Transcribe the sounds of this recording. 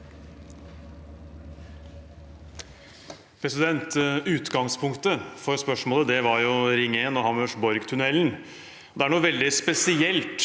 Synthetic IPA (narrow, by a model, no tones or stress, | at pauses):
pʰɾɛsɪd̪ɛnt̪ʉːt̪ɡɑŋspʰʊŋkt̪əfɔɾspœʂmoːləd̪ɛʋɑɾjʊɾɪŋeːnɔhɑmœʂbɔɾɡt̪ʰʉnɛln | ɔd̪ɛæɳuːʋɛld̪ɪspɛsɪɛlt̪